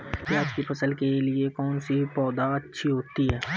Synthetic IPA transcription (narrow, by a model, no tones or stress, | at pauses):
pjaːd͡ʒkipʰɐsəlkeliekɔːnsipɔːd̪aɐtːʃʰiɦoːt̪iɦɛː